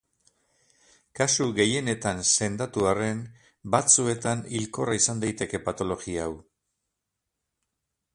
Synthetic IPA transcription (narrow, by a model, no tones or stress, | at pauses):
kasuɣe̞je̞ne̞t̪anse̞nd̪at̪uare̞n | bat͡sue̞t̪anilko̞raisand̪ajt̪e̞ke̞pat̪o̞lo̞ɣiaaw